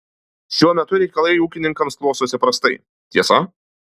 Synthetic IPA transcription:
ʃʲuɔmʲɛt̪ʊɾʲɛɪkɐlˠɐɪuːkʲɪnʲɪŋkɐmsklˠɔʊsoːsʲɪpɾɐst̪ɐɪ | t̪ʲiɛsɐ

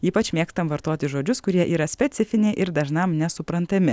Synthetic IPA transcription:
iːpɐt͡ʃmʲeːkst̪ɐmʋɐɾt̪oːt̪ʲɪʒoːd͡ʒʲʊskʊɾʲiɛʔiːɾɐsʲpʲɛt̪sʲɪfʲɪnʲeɪʔɪɾd̪ɐʒnɐmnʲɛsʊpɾɐnt̪ɐmʲɪ

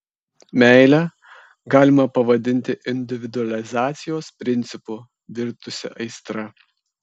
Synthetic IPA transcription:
mʲɛˑɪlʲæ | ɡɑːlʲɪmɐpɐʋɐd̪ʲɪnʲt̪ʲɪʔɪnʲd̪ʲɪʋʲɪd̪ʊɐlʲɪzɑːt̪sʲɪjoːspʲɾʲɪnʲt̪sʲɪpʊ | ʋʲɪɾt̪ʊsʲɪ̰ʔɐɪst̪ɾɐ

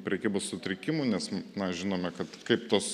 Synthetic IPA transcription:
pʲɾʲɛkʲiːbossʊt̪ʲɾʲɪkʲɪmʊnʲɛsnɐʒʲɪnoːmʲɛkɐt̪kɐɪpt̪oːs

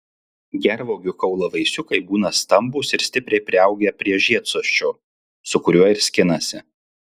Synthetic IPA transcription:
ɡʲɛɾʋoːɡʲʊkɐʊlˠɐʋɐɪsʲʊkɐɪbuːnɐst̪ɐmbʊsɪɾsʲt̪ʲɪpʲɾʲɛɪpʲɾʲɪɐʊɡʲɛpʲɾʲiɛʒʲiɛt̪soɔʃʲt͡ʃʲoː | sʊkʊɾʲuɔɪɾsʲkʲɪnɐsʲɪ

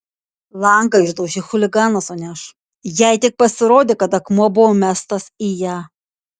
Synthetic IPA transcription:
lˠɐˑŋkɐɪʒd̪ɐʊʒʲɪxʊlʲɪɡɑːnɐsoːnʲæʃ | jɛɪt̪ʲɪk̚pɐsʲɪɾoːd̪ʲeːkɐt̪ɐkmuɔbʊʋoːmʲæːst̪ɐsiːjæː

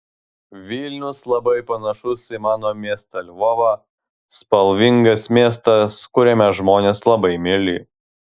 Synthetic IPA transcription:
ʋʲiːlʲnʲʊslˠɐbɐɪpɐnɐʃʊsimɑːnoːmʲiɛst̪ɐlʲʋɔʋɐ | spɐlʲˠʋʲɪŋɡɐsmʲiɛs̬t̪ɐskʊɾʲɛmʲɛʒmoːnʲeːslˠɐbɐɪmʲɪlʲi

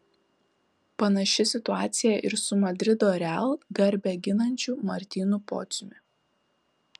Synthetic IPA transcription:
pɐnɐʃʲɪsʲɪt̪ʊɑːt̪sʲɪjɛʔɪɾsʊmɐd̪ʲɾʲɪd̪oːɾʲælˠɡɐɾʲbʲɛɡʲɪnɐnʲt͡ʃʲuːˑmɐɾʲt̪ʲiːnʊpɔ̰ːt̪sʲʊmʲɪ

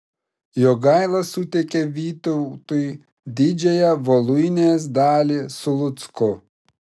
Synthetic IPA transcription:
joːɡɐɪlˠɐsʊt̪ʲɛkʲeʋʲiːt̪ɔʊt̪ʊj | d̪ʲɪd͡ʒʲɛjɛʋolˠʊjnʲeːs̬d̪ɑːlʲiːsʊlˠʊt̪skʊ

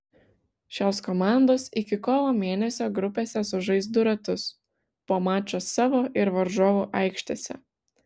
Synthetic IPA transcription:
ʃʲoːskɔmɑˑnd̪oːsɪkʲɪkoːlˠoːmʲeɛnʲɛsʲoːɡɾʊpʲeːsʲɛsʊʒɐɪzd̪ʊɾɐt̪ʊs | poːmɑːt͡ʃʲoːsɑːʋoːʔɪɾʋɐɾʒoːʋoːʔɐˑɪkʃʲt̪ʲeːsʲɛ̰

